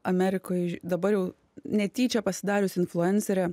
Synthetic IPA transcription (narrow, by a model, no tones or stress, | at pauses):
ɐmʲæːɾʲɪkoːjd̪ɐbɐɾjɛʊ | nʲɛt̪ʲiːt͡ʃʲɛpɐsʲɪd̪ɑːɾʲʊsɪnflˠʊɛnʲsʲɛɾʲɛ